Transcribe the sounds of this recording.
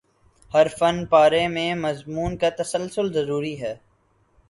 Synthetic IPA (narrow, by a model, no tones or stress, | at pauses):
hɐɾfənpaːɾẽmẽːmɐzmuːnkat̪ɐsəlsʊlzɐɾuːɾiɦɛː